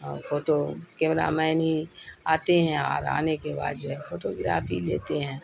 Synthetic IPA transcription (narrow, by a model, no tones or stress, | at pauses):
foːʈokeːmɾa̰mɛɪnɦiaːt̪eɦɛ̃ɔ̰ːɾa̰ːnekeba̰ːd̪d͡ʒoːɦɛfoːʈoɡɪɾa̰ːfʰilḛːt̪eɦɛ̃ː